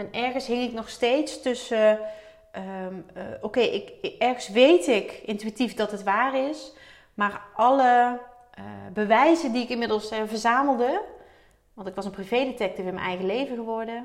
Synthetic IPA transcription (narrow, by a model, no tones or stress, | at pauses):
ɛnɛɹɣənsɦɪŋɪknɔxstejtstɵsə | okejʔɪkɛɹɣəsʋejtɪkɪntyɥitifdɑtɦətʋaːrɪs | maːɹʔɑlə | bəʋɛjzəndiɪkɪnmɪdəlˠsvəɹzaːməlˠdə | ʋɑntɪkʋɑsənprivejdetɛk̚tivɪnmɛ̰nʔɛjɣəlejvəɣəʋɔɹdə